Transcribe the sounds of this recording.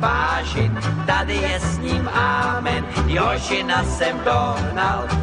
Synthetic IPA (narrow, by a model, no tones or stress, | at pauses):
vaːʒɪnt̪adɪjɛsɲiːmaːmɛnjɛɦɦoʒɪnasɛmdoɦnal